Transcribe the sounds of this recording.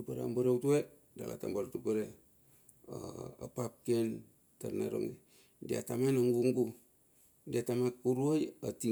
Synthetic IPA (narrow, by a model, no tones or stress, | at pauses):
upaɾea̰mbaɾewtue | da̰la̰ta̰mbaɾtupeɾe | a̰a̰pap̚ken | taɾna̰ɾo̰ŋe | dia̰tamanaŋɡuŋɡu | diatamakuɾuojati